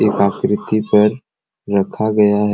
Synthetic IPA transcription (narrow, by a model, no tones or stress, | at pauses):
eːkaːkɾɪt̪ipɐɾː | ɐkʰaɡɐjaɦ